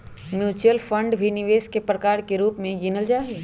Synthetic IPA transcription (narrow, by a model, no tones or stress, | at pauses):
mjuːt͡ʃɾəlfʰə̃ɳɖbʱinɪʋeːʃkepɾəkaːɾkeɾuːpmẽɡɪnəld͡ʒaːɦeː